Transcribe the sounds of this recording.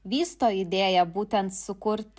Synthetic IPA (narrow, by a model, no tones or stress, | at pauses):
ʋʲiːst̪oːɪd̪ʲeːjɛbuːt̪ʲɛnt̪sʊkʊɾʲt̪ʲ